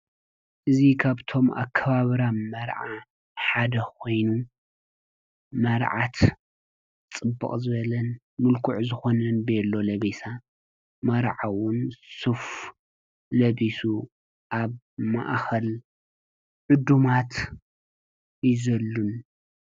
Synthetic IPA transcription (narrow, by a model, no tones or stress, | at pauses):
ʔɨzikʰaβt̪ʰo̞mʔa̰kʰːɐβaβɾamɐɾʕa | ħad̪ɐkʰo̞jnu | mɐɾʕat̪ | t͡sʼɨbːɨ̰χʼzɨβɐlɐn | mʊlkʰʊʕzɨxo̞nɐnbjelːo̞lɐβesa | mɐɾʕawʊnsuf | lɐβisu | ʔaβ | ma̰ʔxɐl | ʕʊd̪umat̪ | jzɐlːun